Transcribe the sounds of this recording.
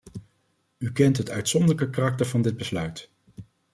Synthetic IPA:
ykɛntɦətœɥtsɔndələkəkarɑk̚təɹvɑndɪd̚bəslœɥt

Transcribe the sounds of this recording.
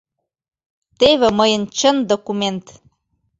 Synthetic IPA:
t̪eβĕməjə̆nt͡ɕə̆nd̪okument̪

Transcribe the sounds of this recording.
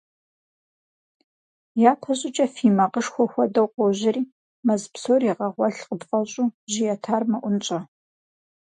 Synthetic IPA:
jaːpʰɐɕʼɪt͡ʃʼɐfiːmɐqəʂxʷɔxʷɔdɐwqʷɔʑɪriː | mɐzpsoːriʁɐʁʷɔɬqəbqʼɐɕʼuːʑijɛtʰaːrmɐʔʷʊnt͡ʃʼɐ

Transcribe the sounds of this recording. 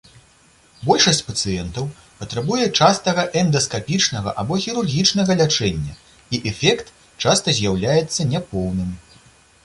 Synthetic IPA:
bɔlʲʂɐsʲt͡sʲpɐt̪sɨjɛnt̪ɐw | pɐt̪ɾabujɛt͡ʂast̪ɐɣɐʔɛnd̪ɐskapʲit͡ʂnɐɣɐ̰ʔabɔxʲiɾurɣʲit͡ʂnɐɣɐlʲat͡ʂɛnʲːɐ̰ | iʔɛfʲɛkt̪ | t͡ʂast̪ɐzʲjawlʲajɛt̪sːɐnʲɛpɔwnɨm

